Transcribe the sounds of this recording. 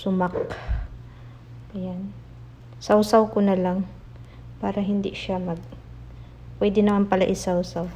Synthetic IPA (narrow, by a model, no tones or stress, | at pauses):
sʊmak | ɐjan | sɐwsawkonɐlaŋ | paːɾɐɦɪnd̪ḭʃamɐɡ̚ | pwɛd̪ɪnɐmanpɐlɐʔɪsɐwsaw